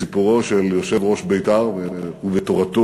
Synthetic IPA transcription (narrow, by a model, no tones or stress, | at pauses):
ipuʁo̞ʃeljo̞ʃe̞vʁo̞ʃbejt̪aʁvehuvet̪oʁat̪o